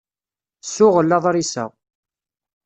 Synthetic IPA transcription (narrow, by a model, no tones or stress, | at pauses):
sʊʁəlːɑðˤɾisə̰ʁ